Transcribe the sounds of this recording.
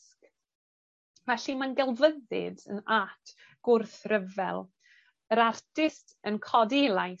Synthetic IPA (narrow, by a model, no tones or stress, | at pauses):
sk | vɛɬimanɡɛlˠvəðɨ̰də̰natʰ | ɡ̥ʊrθrəvɛ̰lˠ | əɾartʰɪstʰ | ənkʰɔdelˠaj